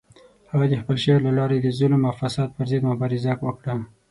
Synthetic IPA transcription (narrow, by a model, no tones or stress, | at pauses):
haɣad̪əxpəlʃewlalɑɾed̪əzʊlmafasɑd̪̚pəɾzəd̪mʊbɑɾɪzakwəkɽa